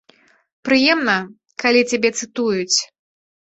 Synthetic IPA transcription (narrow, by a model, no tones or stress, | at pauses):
pɾɨjɛmnɐ | kalʲit͡sʲabʲɛt̪sɨt̪ujut͡sʲ